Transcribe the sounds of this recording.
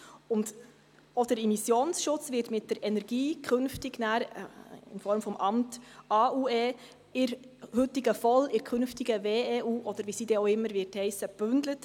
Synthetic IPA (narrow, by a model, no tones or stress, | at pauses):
ʊnd | od̥əɾimisjoːnsʃʊt͡svɪtmɪt̚d̥əɾʔɛnɛɾɡ̥iːkʰɵnftɪɡnæːɾɪ̰nfɔɾmfɔmʔɑmtɑːʔuːɛː | ɪɾ | hʏtiɡəfɔlɪɾkʰχɵnftiɡəveːeʔuːʔɔd̥̪əɾʋisidɛoɪmːəɾvɪɾthɛɪsəb̥ʉnd̥̪lət